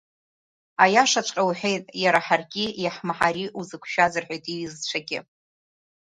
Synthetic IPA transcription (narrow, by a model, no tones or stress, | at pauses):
ajaʂat͡ʃʷʼqʲʼawħʷᶣejtʼjaɾaħarɡʲijaħmaħaɾiʔuzɨkʷʰʃazɨrħʷᶣejtʼiizt͡ʃʷʰaɡʲɪ̰